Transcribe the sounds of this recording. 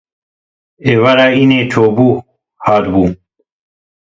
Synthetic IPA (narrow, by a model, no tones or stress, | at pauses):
ewɐɾainet͡ʃʰoːbuː | haːt̪bum